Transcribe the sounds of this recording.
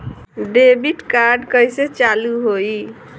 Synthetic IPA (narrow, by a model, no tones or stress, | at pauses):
ɖebiʈkaɾɖkəjset͡ʃaluɦoj